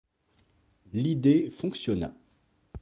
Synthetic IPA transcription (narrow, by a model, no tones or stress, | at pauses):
lid̪efɔ̃ksjɔna̰